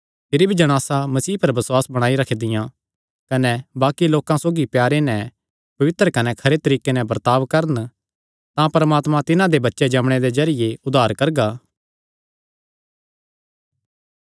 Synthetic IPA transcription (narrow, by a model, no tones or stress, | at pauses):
pʰɪɾibʱid͡ʒɐɽ̃aːsamɐsiːpɐɾbɐswaːsbɐɽ̃aːiɾɐkʰed̪ɪjã | kɐnɛbaːkiloːkãsoːɡipjaːɾenɛ̃ | pɐʋɪt̪ɾəkɐnɛkʰɐɾet̪ɐɾiːkenɛ̃bɐɾt̪aːʋkɐɾən | t̪ãpɐɾmaːt̪mãt̪ɪnãd̪ebɐtːʃed͡ʒɐmɽ̃ed̪ezɐɾɪjeʊd̪ʱaːɾkɐɾɡaː